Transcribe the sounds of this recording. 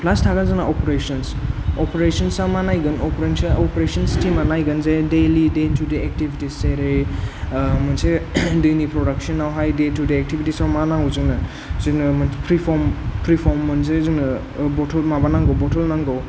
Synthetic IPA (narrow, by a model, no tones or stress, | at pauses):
pʰlastʰakazɯnaʔɔpɾesɔnsɔpɾesɔnsamanajɡɯnɔpɾensaɔpɾesɔnstʰimanajɡɯnzedelidetʰudeek̚tibʱitiseɾej | mansedɯjnipɾɔdak̚sɔnːawɦajdetudeːk̚tibitisawmanaɦɔwzɯnɯ | zinɯmanpɾipʰɔɾmpɾipʰɔɾmːɯnzezinɯ | bɔtʰɔlmabanaŋɡɔwbɔtʰɔlnaŋɡɔw